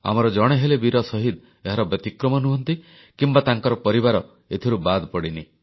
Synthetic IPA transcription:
a̰mɔɾɔd͡ʒɔɽ̃eɦelebiɾɔsɔɦid̪ | eɦaɾɔbjɔt̪ikɾɔmɔnuɦɔnt̪i | kimbat̪aŋkɔɾɔpɔɾibaɾɔ | et̪ʰiɾubad̪pɔɽini

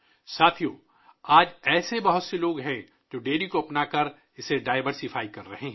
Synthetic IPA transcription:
saːt̪ʰijoː | aːd͡ʒɛːsebɐɦʊt̪seloːɡɦɛ̃ | d͡ʒoːɖeːɖikoɐpnakɐɾ | ɪseɖaːɪʋəɾsɪfaːikɐɾːɐɦeɦɛ̃ː

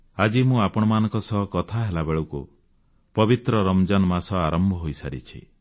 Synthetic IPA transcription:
ad͡ʒimũapɔɽ̃ɔmanɔ̃ŋkɔsɔɦɔkɔt̪ʰaɦelabeɭukṵ | pɔbit̪ɾɔɾɔmd͡ʒanɔmasɔaɾɔmbʱɔɦojsaɾḭt͡ʃʰḭ

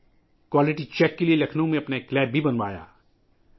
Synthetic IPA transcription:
kwaːlɪʈit͡ʃɛːkːelielɐkʰnõmẽɐpnaeklɛːbʱibɐnʋaːja̰ː

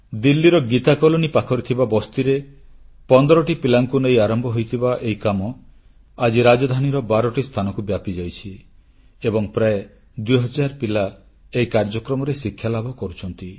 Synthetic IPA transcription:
d̪ilːiɾɔɡit̪akɔlonipakʰɔɾit̪ʰibabɔst̪iɾepɔnd̪ɔɾɔʈipilaŋkunejaɾɔmbʱɔɦojt̪ʰibaʔejkamɔ | ad͡ʒiɾad͡ʒɔd̪ʱaniɾɔbaɾɔʈist̪ʰanɔkubjapid͡ʒajt͡ʃʰi | ebɔŋpɾae | d̪ujɦɔd͡ʒaɾpila | ejkaɾd͡ʒɔkɾɔmɔɾesikʰːjalabʱɔkɔɾut͡ʃʰɔnt̪i

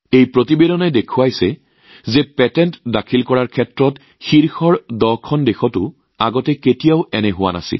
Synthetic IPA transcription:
ejpɹotibedɔnɛdekʰuajsɛ | zɛpɛtɛntdakʰilkɔɹaɹkʰɛtɹɔt | xiɹxɔɹdɔkʰɔndexɔtʊ | aɡɔtɛketijaʊɛnɛɦʊwa̰na̰sḭl

